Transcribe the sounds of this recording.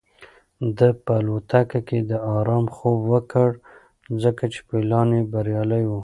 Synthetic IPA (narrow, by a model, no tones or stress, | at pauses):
d̪əpəlot̪akaked̪əɑɾɑmxobwəkəɽ | zəkat͡ʃe̥pelɑnebaɾjɑləjwu